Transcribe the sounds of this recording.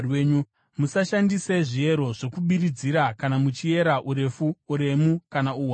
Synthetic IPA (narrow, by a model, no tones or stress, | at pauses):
weɲu | musaʃandise̞ʐie̞ɾo̞ʐe̞kuɓiɾid͡ziɾakanamut͡ʃie̞ɾaʔuɾe̞fuːɾe̞mukanauːwa